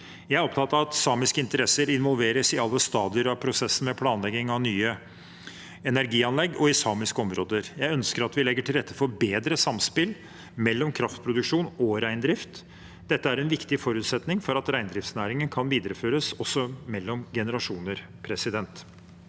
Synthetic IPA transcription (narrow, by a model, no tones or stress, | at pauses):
jæɪæɾɔp̚t̪ʰɑt̪ːəɑt̪sɑːmɪskəɪnt̪əɾɛsəɾɪnʋɔlʋeːɾəsɪɑlːəst̪ɑːd̪ɪəɾɑʋpʰɾʊsɛsːənmɛpʰlɑːnlɛɡɪŋɑʋnyːə | ɛnæɾɡiːɑnlɛɡːɔɪsɑːmɪskəɔmɾoːd̪əɾjæɪœnskəɾɑt̪ʋɪlɛɡːəʈʰɪlɾɛt̪ːəfɔɾbeːd̪ɾəsɑmspɪl | mɛlːɔmkʰɾɑft̪pʰɾʊd̪ʉkʂuːnɔɾæɪnd̪ɾɪft̪ | d̪̥ɛt̪ːəæɾɛnʋɪkt̪ɪfɔɾʉːt̪sɛt̪nɪŋfɔɾɑt̪ɾæɪnd̪ɾɪft̪snæːɾɪŋənkʰɑnʋiːd̪əɾəføːɾəsɔsːɔmɛlːɔmɡɛnəɾɑʂuːnəɾ | pʰɾɛsɪd̪ɛnt̪